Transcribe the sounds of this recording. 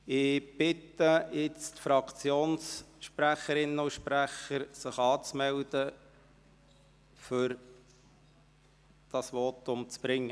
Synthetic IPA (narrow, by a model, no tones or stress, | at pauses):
ɪb̥ɪtəjɪt͡stfɾɑkʰt͡sjoːnsʃpræχəɾɪnəʊʃpræχəɾsɪχɑːt͡smɛld̪ə | fʏɾ | d̥ɑsʋɔtʊmt͡sb̥ɾɪŋːə